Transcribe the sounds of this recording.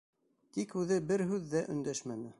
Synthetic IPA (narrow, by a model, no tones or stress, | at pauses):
t̪ikhʉðɘbɘɾɦʉðːæʔɵ̆nd̪æʃmænɘ